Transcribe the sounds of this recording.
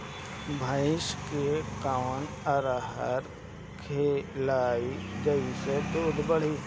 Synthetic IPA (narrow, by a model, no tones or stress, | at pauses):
bʱaːɪʃkekawn | əɾaɦəɾ | kʰelaːid͡ʒəised̪oːd̪bəɽ̤i